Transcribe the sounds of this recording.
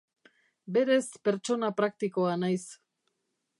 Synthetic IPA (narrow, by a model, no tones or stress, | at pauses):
be̞ɾe̞spe̞ɾt͡ʃo̞napɾakt̪ikoanajs